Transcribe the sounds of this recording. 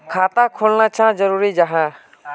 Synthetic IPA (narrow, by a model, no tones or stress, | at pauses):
kʰaːt̪akʰolnat͡ʃʰãd͡ʒəɾuːɾid͡ʒəɦãː